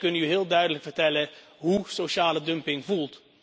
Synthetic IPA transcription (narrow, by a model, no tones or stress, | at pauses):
kɵnəyɦɪːlˠdœɥdələkfərtɛlə | ɦusoʃaːlədɵmpɪŋvulˠt